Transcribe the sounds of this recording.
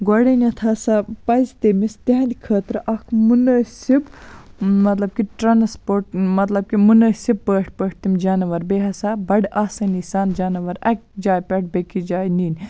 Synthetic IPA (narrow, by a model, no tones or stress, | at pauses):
ɡwɐɽɐnʲɐt̪ʰaːsapɐzʲt̪emist̪ʲɐɦɐ̃nd̪ʲikʰəːt̪ɾʔɐkʰmunɐːsib | mɐt̪lɐb̚kiʈɾanspoːɾʈmɐt̪lɐb̚kimunɐːsib̚ːəːʈʰpəːʈ̚t̪imd͡ʒaːnɐʋɐɾbeːɦɐsaːbɐɽaːsɐnisaːnd͡ʒaːnɐʋɐɾɐk̚ʲd͡ʒaːjpʲɛʈ̚bekid͡ʒaːjniːn